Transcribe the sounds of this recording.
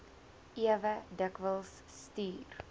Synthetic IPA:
iəvədəkvəlˠsːtyːr

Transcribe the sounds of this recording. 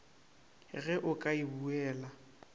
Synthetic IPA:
ɣɛʔʊkʼaibuɛːla

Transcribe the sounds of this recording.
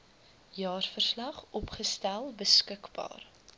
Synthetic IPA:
jɑːrfərslɐχɔpχəstælˠbəskəkbɑ̰ːr

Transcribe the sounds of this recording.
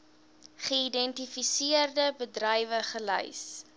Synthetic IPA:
χəidɛntifisiərdəbədrɐjvəχələ̰js

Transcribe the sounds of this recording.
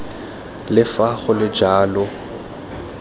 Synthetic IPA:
lɪfaɣʊlɪd͡ʒaːlʊ

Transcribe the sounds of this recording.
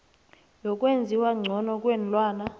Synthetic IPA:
jɔkʼwend͡zʱiwaŋ͡ǀʱɔnɔk̬ʼwɛnlʼwaːna

